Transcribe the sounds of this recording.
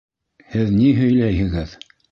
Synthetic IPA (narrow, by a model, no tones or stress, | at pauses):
hɘðniɦɵ̆jlæjhɘ̆ɡɘð